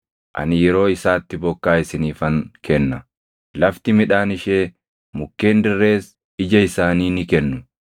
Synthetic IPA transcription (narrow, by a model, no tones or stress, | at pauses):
ʔɐ̰nɪjɛɾo̞ːɪsaːt̪ːɪbɔkːaːɪsɪniːfɐŋkʰɛnːɐ | lɐft̪ɪmɪᶑaːnɪʃeː | mʊkːe̞ːnd̪ɪrːe̞ːs | ɪd͡ʒɐɪsaːniːnɪkɛnːʊ